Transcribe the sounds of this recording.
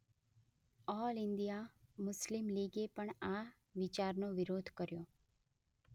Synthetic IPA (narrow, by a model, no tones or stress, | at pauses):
ɔlɪnd̪ijamʊslimliɡepəɳa | ʋɪt͡ʃaɾnoʋɪɾod̪ʱkəɾjo